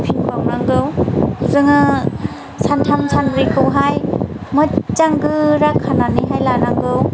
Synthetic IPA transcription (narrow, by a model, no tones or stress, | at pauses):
pʰiŋbawnaŋɡɯwzɯŋɯ | santʰamsʰanbɾikʰɯwɦajmɯt͡ʃaŋɡɯɾakʰananiɦajlanaŋɡɯw